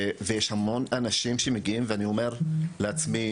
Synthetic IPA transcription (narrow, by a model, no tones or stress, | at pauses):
vejeʃhamo̞nanaʃimʃemeɡiimveanio̞me̞ʁleat͡smi